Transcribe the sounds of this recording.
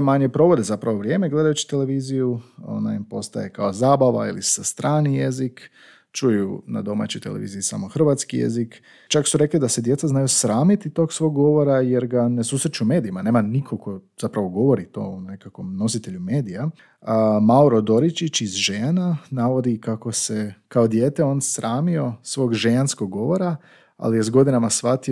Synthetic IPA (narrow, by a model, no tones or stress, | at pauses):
maɲepɾo̞ʋo̞d̪ezapɾaʋo̞ʋɾje̞ːmeɡle̞d̪ajut͡ɕi̥t̪e̞le̞ʋiːzijuo̰na̰impo̞st̪aje̞kaozaːbaʋa̰ḭlisast̪ɾaːnije̞zik | t͡ʃujuna̰d̪o̞ma̰t͡ɕojt̪eleʋḭːziisa̰moxr̩ʋat̪skijḛzik | t͡ʃaksuɾe̞klid̪ase̞d̪je̞t̪saznajusɾaːmit̪it̪o̞ːɡsʋo̞ːɡɡo̞ʋo̞ɾajeɾɡane̞suːsɾet͡ʃuume̞ːd̪iimane̞ːmanikʰo̞kʰo̞zapɾaʋo̞ɡo̞ʋo̞ɾit̪o̞̰une̞kakʋo̞mno̞sit̪e̞ʎume̞ːd̪ija | mauɾod̪o̞ɾit͡ʃit͡ɕizʒeananaʋo̞d̪ikako̞sekaod̪jeːt̪eo̞ːnsɾaːmio̞sʋo̞ːɡʒejanskoɡːo̞ʋo̞ɾa | a̰lijezɡo̞d̪inamasʋat̪i